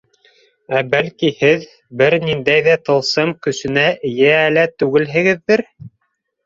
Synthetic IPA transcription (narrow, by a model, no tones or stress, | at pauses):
æbælkihɘð | bɘɾnind̪æjðæt̪ɤ̆lˠsɤmkɵ̆sɘ̆næʔɘ̆jæːlæt̪ʉɡɘlɦɘ̆ɡɘ̆ðːɘɾ